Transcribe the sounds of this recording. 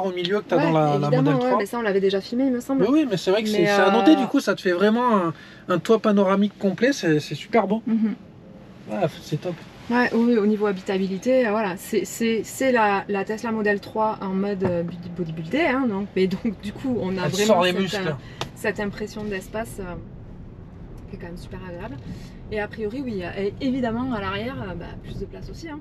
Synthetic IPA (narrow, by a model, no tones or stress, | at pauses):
aʁomiljøkət̪awɛd̪ɑ̃laeliamd̪aɔdmɛl̃t̪wχɛwamɛsaɔ̃lavɛd̪eʒafilmeilməsɑ̃blwimɛsɛvʁɛkəsmɛsaanoed̪ykusat̪ə̥fɛvʁɛmɑ̃ɛ̃ | ɛ̃t̪wapanɔʁamikːɔ̃plɛsɛsɛsy̥pɛʁbɔ̃m̩ | vwalasɛt̪ɔp | wɛʔwiwionivoabit̪abilit̪eøvwalasɛsɛsɛlalat̪ɛslamɔd̪ɛlt̪χwaʔɑ̃mɔd̪øbyd̪bod̪ibyld̪eɛ̃d̪ɔ̃kmɛd̪ɔ̃kd̪ykʰuɔ̃navʁɛmɔ̃ʁd̪esɛmys | sɛt̪ɛ̃pχesjɔ̃d̪ɛspasø | kʲɛkɑ̃mɛmsy̥pɛʁaɡʁeabl | eapχijɔʁiwijaʔɛevid̪amɑ̃alaʁjɛʁøba̰plysd̪əplasosiɛ̃